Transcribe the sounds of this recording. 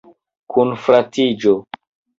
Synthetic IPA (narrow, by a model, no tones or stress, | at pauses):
kʰunfɾatid͡ʒo